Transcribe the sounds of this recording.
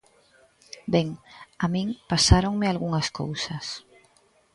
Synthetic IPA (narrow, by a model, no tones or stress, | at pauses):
beŋamĩŋpasaɾoŋmealɣuŋasko̰wsas